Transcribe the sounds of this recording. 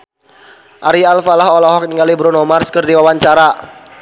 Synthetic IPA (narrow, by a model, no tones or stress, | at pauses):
ʔaɾialfalaɦɔlɔɦɔk̚niŋɡalibəɾunɔmarskərdiwawaɲt͡ʃaɾa